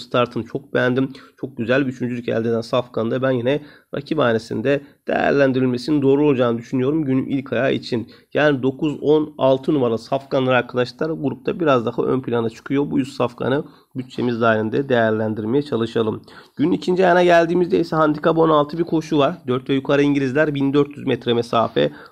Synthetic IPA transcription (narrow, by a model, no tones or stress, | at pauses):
st̪ʰaɾt̪ʰɯmt͡ʃʰo̞k̚bɛænd̪imt͡ʃʰo̞k̚ɟyzælʲbyt͡ʃʰynd͡ʒylʲycæ̰lʲd̪ed̪ænsafkʰand̪abænjinɛɾa̰cʰibaːnesḭnd̪ɛd̪̥e̞̰jæ̰ɾlʲænd̪iɾilʲme̞sinind̪o̞ːɾuo̞lˠd͡ʒaːnɯd̪yʃynyjo̞ɾumɟyny̰ʔilʲkʰajaːʔḭt͡ʃʰinjaːnid̪o̞kʰuzo̞nalˠt̪ʰɯnumaɾlˠasafkʰanlˠaɾaɾkʰad̪aʃlˠaɾɡuɾup̚t̪ʰabiɾazd̪ahaʔø̞̰npʰilʲanat͡ʃʰɯ̥kʰɯjo̞bujyssafkʰa̰nɯ | byt̪̚t͡ʃʰe̞mizd̪aːɾind̪ɛd̪ejæɾlʲænd̪iɾme̞jɛt͡ʃʰalˠɯʃalˠɯm | ɟ̥ynynicʰind͡ʒijanaɟælʲd̪iːmizd̪ɛjisɛɦand̪ikʰabo̞nalˠt̪ʰɯbiɾkʰo̞ʃuvaɾd̪øɾt̪vɛjykʰaɾɯiɲɟilʲizlʲæɾbind̪øɾt̪jyzmɛt̪ɾɛmesaːfɛ̰